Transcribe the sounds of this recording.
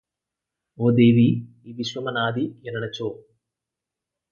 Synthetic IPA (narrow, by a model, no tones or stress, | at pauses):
oːd̪eːʋiː | ʋiʃʋɐmɐnaːd̪ijɐnɐɳɐt͡ʃoː